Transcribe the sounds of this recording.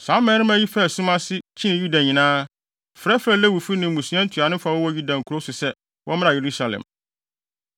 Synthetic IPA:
sã˨˦mɛ̃˨˦ɾɪ̃˦mæ˦ji˦fɛ˦˨sʊ̃˦ma˦sɪ˦t͡ɕʰĩ˦nɪ̃˨ju˦da˨ɲĩ˨nãː˦ | fɾɛ˦fɾɛ˦lɛ˦wu˨fi˦nɪ̃˨mũ˨sã˦n̩˦tʰu˨a˨nɪ̃˦fa˨wɔ˦wɔ˦ju˦dã˨ŋ̩˨kʰu˨ɾo˦sʊ˨sɛ˦ | wʔɔ̃˦mɪ̃˦a˨je˨ɾu˦sa˨lɛ̰̃˨m

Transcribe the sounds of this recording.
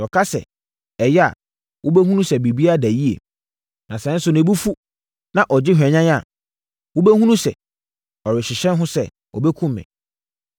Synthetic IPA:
ɔ˨kʰa˦sɛ̰˨ | ɛ˨jɛ˦a̰˨ | wʔʊ˦bɛ˦ɦũ˦nũ˦sɛ˨bi˨bi˦a˦dæ˨ji˦ḛ˨ | nã˨sɛ˨˦n̩˦sʊ˨nẽ˨bu˦fu˦ | nã˨ʔɔ˨d͡ʑɪ˦ɦᶣɛ˨ɲã˦ɲ˦a˨ | wʊ˦bɛ˦hũ˦nũ˦sɛ̰˨ | ɔ˨ɾɪ˨ɕɪ˨ɕɛ̃˦nɦʊ̃˦sɛ˦ | ɔ̰˨bɛ˦kʰũ˦mːɛ̰̃˨

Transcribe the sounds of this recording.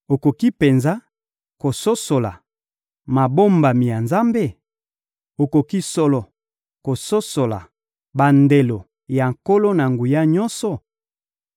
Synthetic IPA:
o˨ko˨ki˦pe˨nza˦ | ko˨so˦so˨la˨ | ma˨bo˦mba˨mi˨ja˨nza˦mbe˦ | o˨ko˨ki˦so˦lɔ˨ | ko˨so˦so˨la̰˨ | ba˨nde˨lo˨ | ja˨ŋko˦lo˦na˨ŋɡu˨ja˦ɲɔ˦nsɔ˨

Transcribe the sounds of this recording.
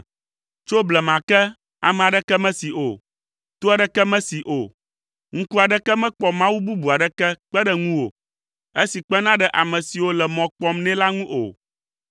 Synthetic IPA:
t͡ʃo˦blɛ˨mã˨kɛ˦ | a̰˨mɛ̃˨a˨ɖɛ˦kɛ˦mɛ̃˦si˨ʔo˨ | t̪o˦a˨ɖɛ˦kɛ˦mɛ̃˦si˨ʔo˨ | ŋ̩̃˦ku˦a˨ɖɛ˦kɛ˦mɛ̃˦k͡pɔ˦mã˦wu˦bu˦bu˨a˨ɖɛ˦kɛ˦k͡pɛ˦ɖɛ˦ŋũ˦wo̰˨ | e˦si˨k͡pɛ˦nã˦ɖɛ˦ʔa˨mɛ̃˨si˨wo˦lɛ˨mɔ̃˨k͡pɔ˦mnɛ̃˦la˦ŋũ˦ʔo̰˨

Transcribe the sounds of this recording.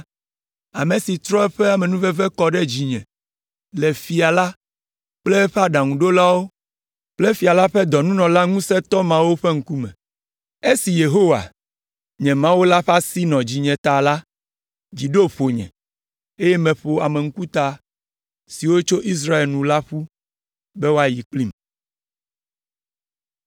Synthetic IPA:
a̰˨mẽ˨si˨t̪ɾɔ˦ɛ˦ɸɛ˦a˨mɛ̃˨nũ˦vɛ˦vɛ˦kɔ˦ɖɛ˦d͡ʑi˨ɲɛ̰̃˨ | lɛ˨fi˨a˨la˦ | k͡plɛ˦ɸɛ˦a˦ɖa˨ŋũ˨ɖo˦la˦wo˦ | k͡plɛ˦fi˨a˨la˦ɸɛ˦d̪ɔ˨nũ˦nɔ̃˨la˦ŋũ˦sɛ˦t̪ɔ˦mã˦wo˦ɸe˦ŋ̩˦ku˦mɛ̰̃˨ | e˦si˨je˨ɦo˦wa̰˨ | ɲɛ̃˨mã˦wo˦la˦ɸa˦si˦nɔ̃˨d͡ʑi˨ɲɛ̃˨t̪a˨la˦ | d͡ʑi˨ɖo˦ɸo˨ɲɛ̰̃˨ | e˦jɛ˦mɛ̃˨ɸo˨a˨mɛ˨ŋ̩˦ku˦t̪a˨ | si˨wo˦t͡ʃo˦ʔi˦s̬ɾa˦e˨lnũ˨la˦ɸu˦ | bɛ˦wo˦a˨ji˨k͡pli˦m

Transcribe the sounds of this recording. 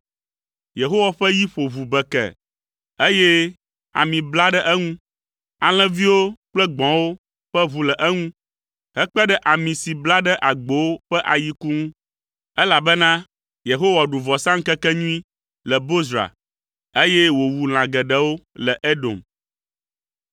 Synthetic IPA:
je˨ɦo˦wa˨ɸɛ˦ji˦ɸo˨βu˨bɛ˨kɛ̰˨ | e˦je˦ | a̰˨mĩ˨bla˦ɖɛ˦ʔɛ˦ŋũ˦ | a˨l̃ɛ̃˦vi˦wo˦k͡plɛ˦ɡ͡bɔ̃˨wo˦ | ɸɛ˦βu˨lɛ˨ʔɛ˦ŋũ˦ | ɦɛ˦k͡pɛ˦ɖɛ˦ʔa˨mĩ˨si˨bla˦ɖɛ˦ʔa˨ɡ͡bo˨˦wo˦ɸɛ˦ʔa˨ji˦ku˦ŋũ˦ | ɛ˦la˨bɛ˦nã˦ | je˨ɦo˦wa˨ɖu˨vɔ˨sã˦ŋ̩˦kɛ˦kɛ˦ɲũ˦i˦ | lɛ˨bo˦zɾa̰˨ | e˦jɛ˦wo˨wu˨l̃ã˨ɡɛ˨ɖɛ˦wo˦lɛ˨ʔe˦do̰˨m

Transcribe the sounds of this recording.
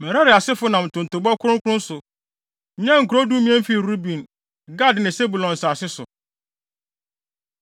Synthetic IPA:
mɛ̃˨ɾa˦ɾɪ˨a˨sɪ˦fʊ˦nã˨m̩˨tʰʊ̃˨n̩˨tʊ˨bɔ˦kʰʊ˦ɾʊ̃˦kʰʊ˦ʊ̃˦n˦sʊ˨˦ | ɲɛ̃˦ŋ̩˨ku˨ɾo˦du˦mĩ˦ɛ̃˦m̩˦fi˦˨ɾu˦bĩ˨n | ɡa˦dnɪ̃˨se˦bu˨lɔ̃˨n˨saː˨sɪ˦sʊ̰˨

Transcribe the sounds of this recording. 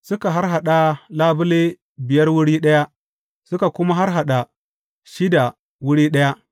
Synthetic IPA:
sʊ˦ka˨ɦa˦ɾɦa˨ɗa˦laː˦bʊ˦le˦ | bɪ˨jɐ˦rwʊ˦ɽiː˦ɗɐ˦ja˦ | sʊ˦ka˨kʊ˦ma˦ɦa˦ɾɦa˨ɗa˨ | ʃɪ˦da˨ | wʊ˦ɽiː˦ɗɐ˦ja˦ʔ

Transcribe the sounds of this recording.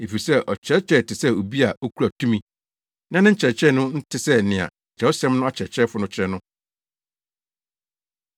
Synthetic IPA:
e˨fi˨i˨sɛ˦ʔɔ˨t͡ɕʰɛ˦t͡ɕʰɾɛ˦˨tʰɪ˨sɛ˦o˨bi˦a˨o˦kʰu˦ɾa˨tʰũ˦mĩ˦ | nã˦nɪ̃˦t͡ɕʰɛ˨t͡ɕʰɾɛ˦nʊ̃˦n̩˦tʰɪ˦sɛ˦˨nɪ̃˨a̰˨t͡ɕʰɛ˨˦o˦sɛ̃˦mnʊ̃˦a˦t͡ɕʰɛ˨t͡ɕʰɛ˦fʊ˨nʊ̃˦t͡ɕʰɾɛ˦nʊ̃˦

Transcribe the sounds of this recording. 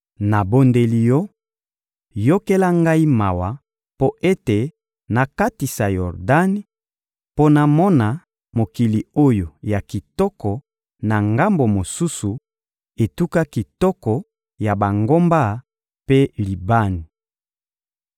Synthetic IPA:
na˨bo˦nde˦li˦jɔ˦ | jo˦ke˦la˦ŋɡa˦i˦ma˨wa˨ | po˦ʔe˦te˨ | na˨ka˦ti˨sa˨jɔ˨ʁda˦ni˦ | po˦na˨mɔ˦na˨ | mo˨ki˨li˨o˦jo˨ja˨ki˨tɔ˦kɔ˨ | na˨ŋɡa˦mbo˨mo˨su˦su˨ | e˨tu˦ka˦ki˨tɔ˦kɔ˨ | ja˨ba˨ŋɡo˦mba˦˨ | pe˦li˨ba˦ni˨

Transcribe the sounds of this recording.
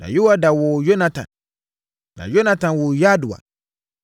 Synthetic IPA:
nã̰˨ju˦wa˦da˨wʊ˨jo˦nã˨˦tʰã̰˨n | nã̰˨jo˦nã˨˦tʰã˨nwʊ˨ja˦dʊ˨a̰˨

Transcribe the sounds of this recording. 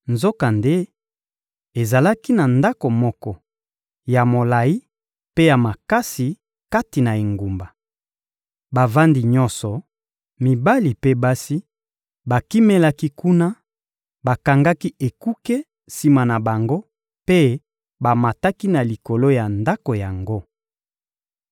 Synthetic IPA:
nzo˦ka˨nde˦ | e˨za˨la˦ki˦na˨nda˦ko˨mɔ˦kɔ˦ | ja˨mo˨la˨i˦ | pe˦ja˨ma˨ka˦si˨ | ka˦ti˨na˨e˨ŋɡu˨mba˨ | ba˨va˦ndi˨ɲɔ˦nsɔ˨ | mi˨ba˦li˨pe˦ba˦si˦ | ba˨ki˦me˦la˦ki˦ku˦na˦ | ba˨ka˨ŋɡa˦ki˦e˨ku˦kɛ˦ | si˨ma˨na˨ba˨ŋɡo˦ | pe˦ | ba˨ma˨ta˦ki˦na˨li˨ko˨lo˦ja˨nda˦ko˨ja˨ŋɡo˦

